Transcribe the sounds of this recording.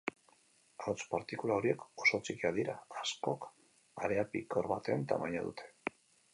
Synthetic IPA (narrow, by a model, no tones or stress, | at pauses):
awt͡spaɾt̪ikulao̞ɾie̞ko̞so̞t͡sikiaðiɾaːsko̞k | aɾeapikoɾβat̪e̞nt̪a̰majaðṵt̪ʰe̞̥